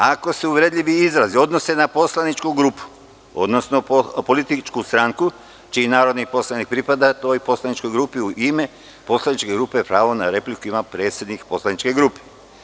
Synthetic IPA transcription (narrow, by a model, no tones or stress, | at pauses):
ako̞seuʋɾed̪ʎʲiʋiizɾazio̞d̪nose̞napo̞slˠanit͡ʃkuɡɾuːpu̥ | o̞̰d̪nosno̞po̞lit̪it͡ʃkust̪ɾaŋku | t͡ʃiːinaːɾo̞d̪nipo̞slˠanik̚pɾipad̪at̪o̞jpo̞slˠanit͡ʃko̞jɡɾupiuʔime̞ | po̞slˠanit͡ʃke̞ɡɾupepɾaːʋonaɾe̞plikuimapɾe̞ːt̪sje̞d̪nikpo̞slˠanit͡ʃke̞ɡɾuːpe̥